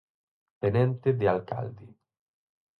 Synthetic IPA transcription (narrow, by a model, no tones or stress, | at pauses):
t̪enẽnt̪ed̪ealka̰ld̪i